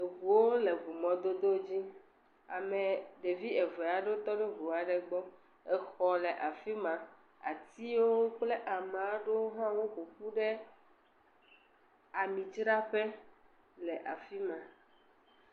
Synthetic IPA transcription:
e˨vu˨wo˦le˨vu˨mɔ̃˨d̪o˦d̪o˦d͡ʑi˦ | a̰˨me˨ɖe˨vi˦ɛ˨vɛ˨a˨ɖo˦t̪ɔ˦ɖe˦vu˨a˨ɖɛ˨ɡ͡bɔ˦ | ɛ˨xɔ˨le˨ʔa˨fi˦mã˨ | a̰˨t̪i˦wo˦o˦k͡ple˦ʔa˨m˨a˦ɖo˦ɦã˦wo˦ɸu˨ɸu˦ɖe˦ | a˨mĩ˨t͡ʃɾa˦ɸe˦ | lɛ˨ʔa˨fi˦mã˨

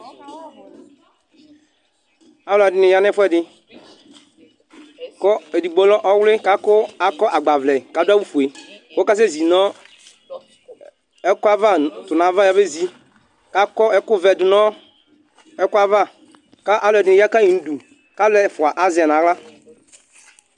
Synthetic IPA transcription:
a˦lɛ˨dɪ˨nɪ˨ja˦nɛ˦fɛ˦˨dɪ˨ | kɔ˦e˨di˨ɡ͡bɔ˦lɔ˦ʔɔ˦wlɪ˦ka˦kʊ˦a˨kɔ˦ʔa˨ɡ͡ba˨vlɛ˨ka˨˦da˦wu˦fu˨e˨kɔ˦ka˦s̬e˦˨zi˨nɔ˦ | ɛ˦kʊ˦a˦va˦tʊ˨na˨˦va˦ja˦be˦zi˨ | ka˨˦kɔ˦ɛ˦kʊ˦vɛ˨dʊ˨nɔ˦ | ɛ˦kʊ˦a˦va˦˨ | ka˦ʔa˦lɛ˨dɪ˨nɪ̃˨ja˦ka˦i˨n̩˨du˨ | ka˦lɛ˨fʊ˨a˨ʔa˨zɪ˨ɛ˨n˨a˨˦ɣla˦

